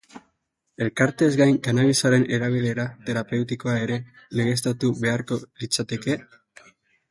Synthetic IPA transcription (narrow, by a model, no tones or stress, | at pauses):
e̞lkaɾt̪e̞zɡajŋkanaβisaɾe̞ne̞ɾaβ̞ile̞ɾat̪e̞ɾape̞wt̪iko̞ae̞ɾe̞ | le̞ɣe̞s̬t̪at̪uβe̞aɾko̞lit͡sat̪e̞ke̞